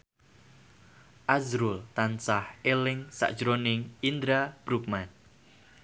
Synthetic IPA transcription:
ʔazɾult̪ansahelɪŋsa̰ʔd̥ʒ̥ɾonɪŋind̪ɾab̥ɾuk̚man

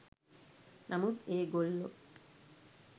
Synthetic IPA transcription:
namud̪eɡolːo̰

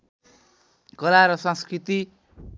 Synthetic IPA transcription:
ɡʌlaɾʌsʌ̃nskɾit̪i

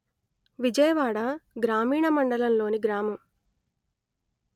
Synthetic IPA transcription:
ʋid͡ʒɐjɐʋaːɽaɡɾaːmiːɳɐmɐɳɖɐlɐmlo̞ːniɡɾaːmɐm

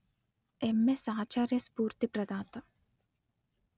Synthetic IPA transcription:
emːesãːt͡ʃaːɾjɐspuːɾt̪ipɾɐd̪ãːt̪ɐ

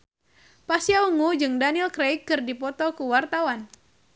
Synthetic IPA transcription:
pasjauŋud͡ʒɨŋdanilkɾejkːɨrdipɔt̪ɔkuwart̪awan

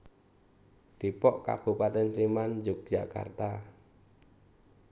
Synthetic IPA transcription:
d̪̥ipɔʔka̰b̥ṳpat̪ɛnslimand͡ʒʊk̚ʒ̥aka̰rt̪a

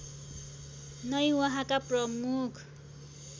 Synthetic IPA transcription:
nʌjwʌɦãkaprʌmukʰ

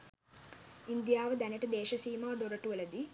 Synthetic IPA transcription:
ind̪jaːʋɐd̪ɐnɐʈɨd̪eːʃɐsiːmaːd̪oɾɐʈːuʋɐlɐd̪i

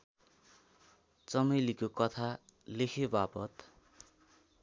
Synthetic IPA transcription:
t͡sʌmʌjlikokʌt̪ʰalekʰebapʌt̪

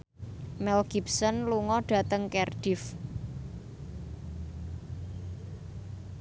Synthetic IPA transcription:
mɛlɡ̥ip̚sɔnluŋɔɖ̥ä̤t̪əŋkɛrɖ̥ɪf

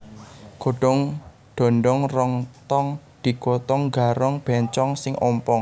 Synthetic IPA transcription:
ɡ̥o̤ɖ̥ɔ̤ŋ | ɖ̥ɔ̤nɖɔŋrɔŋt̪ɔŋ | d̪̥i̤kot̪ɔŋɡaɾɔŋb̥ɛɲt͡ʃɔŋsɪŋʔɔmpɔŋ

